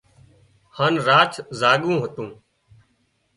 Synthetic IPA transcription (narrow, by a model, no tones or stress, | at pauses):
haːnɾaːt͡ʃʰzaːɠũːɦət̪ũː